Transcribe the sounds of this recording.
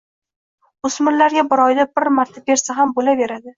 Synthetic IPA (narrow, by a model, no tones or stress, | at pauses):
ʊsmɪɾlaɾɡʲabɪɾɒjd̪abɪɾmaɾt̪ʰabe̞ɾsaɦambolave̞ɾad̪ɪ